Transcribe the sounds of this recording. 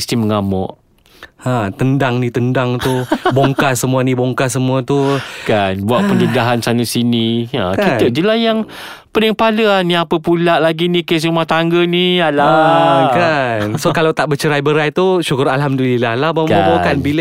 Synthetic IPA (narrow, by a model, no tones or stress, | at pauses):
st̪iməŋamɔ̰ʔ | ãt̪əndaŋnit̪əndaŋt̪uboŋkasəmuanĩboŋkasəmuat̪ukanbuaʔpənədaɦansanəsinia̰kit̪əʔd͡ʒilahjaŋ | pələŋpaləaniapəpulaʔlaɡinikes̬rumaht̪aŋɡənialakansokalawt̪aʔbət͡ʃəɾajbəɾajt̪uʃukʊɾalɦamdəlilahlabaabawkanbil